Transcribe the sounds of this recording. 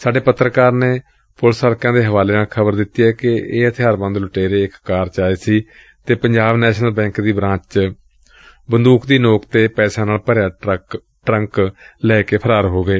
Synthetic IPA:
saːɖeːpət̪ːɾəkaːɾneː | pʊlsəːɾkãːd̪eːɦəʋaːleːnaːlkʰəbəɾd̪ɪt̪ːiːɛːkɪeːət̪ʰɪjaːɾbə̃nd̪lʊʈeːɾeːɪkːaːɾt͡ʃaːeːsiː | t̪eːpəɲd͡ʒaːbnɛːʃnəlbɛ̃ːŋkd̪iːbɾãːt͡ʃt͡ʃ | bənd̪uːkd̪iːnoːkt̪eːpɛːsãːnaːlpəɾjãː | ʈɾə̃ŋklɛːkeːpʰəɾaːɾɦoːɡeː

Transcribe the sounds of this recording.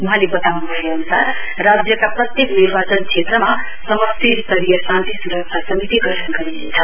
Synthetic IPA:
uɦãlebʌt̪aunubʱʌjoʌnusarː | ad͡zjʌkaprʌt̪jekniɾbat͡sʌnkʰet̪rʌma | sʌmʌst̪ist̪ʌɾijʌsãnt̪isuɾʌk̚t͡sʰasʌmit̪iɡʌʈʰʌnɡʌɾinḛt͡sʰʌ

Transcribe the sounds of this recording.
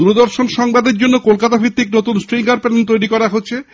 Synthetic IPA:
uɾed̪oɾʃonʃɔŋbad̪eɾd͡ʑonːokolkat̪abʱɾit̪ːiknot̪unsʈɾiŋkaɾpent̪ojɾikɔɾaɦotːɕʰe

